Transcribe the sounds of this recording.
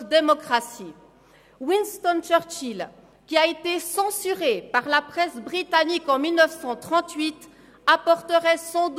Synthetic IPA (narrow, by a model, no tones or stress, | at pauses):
d̪emɔkχasi | winst̪ɔnt͡ʃœʁt͡ʃil | kʲiaet̪esɑ̃syʁepaʁlapχɛsbʁit̪anikɑ̃milnəfsɑ̃t̪χɑ̃t̪ɥit̪ | apɔʁt̪əʁɛsɑ̃d̪